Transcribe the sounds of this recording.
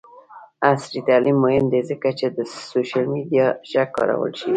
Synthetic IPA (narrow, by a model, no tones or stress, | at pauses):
asɾit̪alimːohɪnd̪ezəkat͡ʃed̪əsoʃalmid̪ijaʒakːɑ̰ɾa̰wə̰lʃi